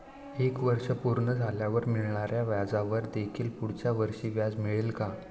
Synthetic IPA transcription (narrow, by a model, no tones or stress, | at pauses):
ekʋəɾʂəpuɾɳəd͡zʱaljaʋəɾmiɭɳaɾjaʋjad͡zaʋəɾd̪ekʰiːlpuɽ̤t͡ɕjaʋəɾʂiːʋjad͡zmiɭelka